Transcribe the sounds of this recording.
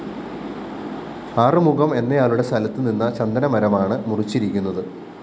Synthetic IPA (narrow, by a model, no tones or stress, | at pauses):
aːrɨmuɣɐme̞nːɐjaːluɽe̞st̪ɐlɐt̪ːɨninːɐt͡ɕɐnd̪ɐnɐmɐɾɐmaːɳɨmurit͡ɕːiɾikʲːunːɐðɨ